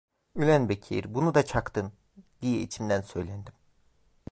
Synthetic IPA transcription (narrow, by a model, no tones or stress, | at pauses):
ylʲænbecʰḭɾbunud̪at͡ʃʰakt̪ɯn | d̪̥ijɛḭt͡ʃʰimd̪ænsø̞jlʲænd̪im